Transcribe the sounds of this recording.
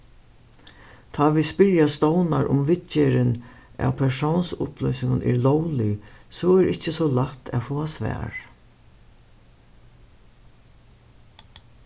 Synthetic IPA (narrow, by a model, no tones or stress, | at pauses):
t̪ʰɑːʋispɪɹjast̪ɔwnaɾʔʊ̰mʋɪt͡ʃeɾɪn | æ̰wpʰɛʂownsʊ̰pʰlœjsɪŋɡʊnʔɛ̰ɾlɔwlɪsɔɛɾʔɪt͡ʃːəsɔlat̪ʰɛ̰foːasʋɛ̰ːɹ